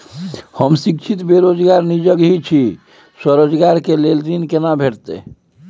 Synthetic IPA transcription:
həmsikt͡ʃʰit̪beɾod͡ʒɡaɾnid͡ʒəɡɦit͡ʃʰi | səɾod͡ʒɡaɾkelelɾinkenabʱeʈt̪ḛ

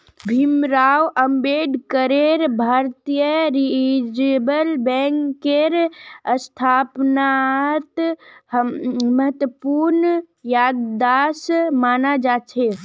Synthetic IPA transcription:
bʱimɾaːwəmbeːɖkəɾeɾbʱaːɾt̪ijəɾid͡ʒbəlbɛŋkeɾəst̪ʰaːpnat̪ | məɦət̪wəpuɾn | jaːd̪aːsmaːnad͡ʒaːt͡ʃʰe

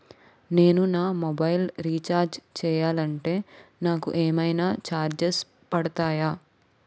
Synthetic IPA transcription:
ne̞ːnunaːmobɐjlɾiːt͡ʃaːɾd͡ʒt͡ʃɛːjaːlɐɳʈe̞ːnaːkṵʔeːmɐjnaːt͡ʃaːɾd͡ʒes | pɐɽɐt̪aːjaː

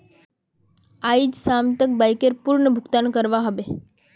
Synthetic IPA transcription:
aid͡ʒsamt̪ək̚bajkeɾpuɾɳəbʱʊɡt̪ankəɾʋaɦəʋe

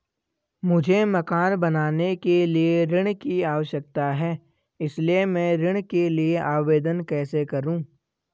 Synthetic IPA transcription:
mʊd͡ʒʱemɐkaːnbɐnaːnekelieɾɪɽ̃kiaːʋəʃjək̚t̪aɦɛː | ɪsliemɛ̃ːɾɪɽ̃kelieʔaːʋeːd̪ənkɛːsekɐɾũː

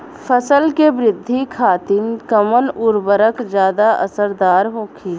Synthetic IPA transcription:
fʰəsəlkebɾɪd̪ʱːikʰaːt̪ɪnkəmənʊɾbəɾəkd͡ʒjaːd̪aʔɐ̰səɾd̪aːɾɦoːkʰiː

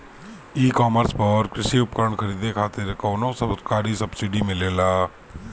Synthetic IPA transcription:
iːkɔːməɾspəɾkɾɪʃiʊpkɾəɳkʰəɾiːd̪ekʰaːt̪ɪɾkɔːnõsəkaːɾisɐbsɪɖimɪleːlaː

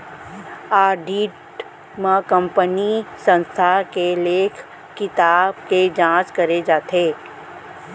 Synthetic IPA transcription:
aːɖiːʈ | mə̃kə̃mpənisə̃nst̪ʰakeleːkʰ | kɪt̪aːbked͡ʒãːt͡ʃkɐɾed͡ʒaːt̪eː

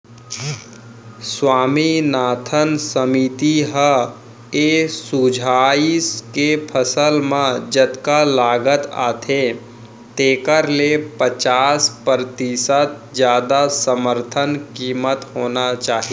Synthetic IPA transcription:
swaːminaːt̪ʰənsəmit̪iɦə | esud͡ʒʱaːiskepʰəsəlmãd͡ʒət̪kalaːɡət̪a̰ːt̪ʰe | t̪eːkəɾlepət͡ʃaːspəɾt̪isət̪̚d͡ʒjaːd̪asəməɾt̪ʰənkiːmət̪hoːnat͡ʃaːɦie

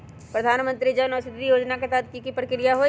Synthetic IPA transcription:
pɾɐd̪ʱaːnmə̃nt̪ɾid͡ʒɐnɔsɪd̪ɾijoːd͡ʒnak̬et̪ad̪̚kikipɾəkɾijaɦo

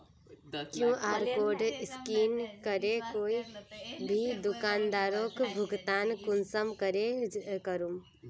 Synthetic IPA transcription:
kjũʔaːɾkoːɖɪskiːnkəɾekoːibʱid̪ʊkaːnd̪aːɾokbʱʊɡt̪aːnkʊnsəmkəɾekəɾum

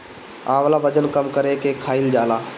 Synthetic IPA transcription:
ãːʋəlaːʋəd͡ʒənkəmkəɾekeːkʰaːild͡ʒaːlaː

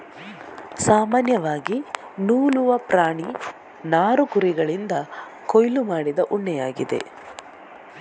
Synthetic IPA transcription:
saːmaːnjɐʋaːɡi | nuːluʋɐpɾaːɳi | naːɾukuɾiɡɐɭind̪ɐ | kojlumaːɽid̪ɐʔuɳːɛjaːɡid̪e̞̰

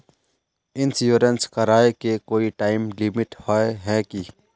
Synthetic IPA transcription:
ɪnsjuːɾənskəɾaːekekoːiʈaːimlimiʈhaːeɦɛːki

